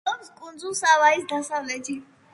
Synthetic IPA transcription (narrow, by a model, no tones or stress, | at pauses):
ɔpskʼund̪zulˠsavaisd̪asavlɛt̪ʰi